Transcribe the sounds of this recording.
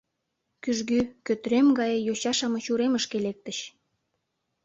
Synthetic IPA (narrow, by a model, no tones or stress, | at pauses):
kyʒɣykøt̪ɾemɡɑjejoɕɑʃɑmɤ̆t͡ɕuɾeməʃkelek̚t̪əɕ